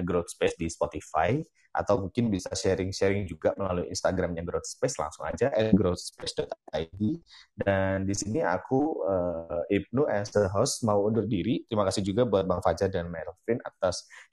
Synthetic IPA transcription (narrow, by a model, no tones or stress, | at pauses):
ɡɾot̪̚spɛsdispot̪ifaj | ʔa̰t̪awmuŋkɪnbisaʃɛɾɪŋʃɛɾɪŋd͡ʒuɡaməlaluiḭnst̪aɡɾamjaɡɾot̪̚spɛsla̰ŋsʊŋa̰d͡ʒaʔɛnɡɾot̪̚spɛsdɔt̪avidandisinia̰kuəip̚nuʔɛsəɦɔsmauːndʊrdiɾit̪ɾimakasɪhd͡ʒuɡabuat̪̚baŋfad͡ʒadəanmaɾlfɪna̰t̪as